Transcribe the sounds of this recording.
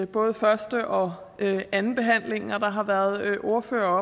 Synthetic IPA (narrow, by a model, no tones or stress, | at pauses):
b̥ɔ̽ːð̞ˠəfɶɐsd̥əʔɒ̽ | øænn̩b̥e̝ɦæn̰le̝ŋ̩ɒd̥ɑ̈ɦɑ̈ʋæːɐð̞̩ˠøʔo̝ɐfø̰ːɐɒ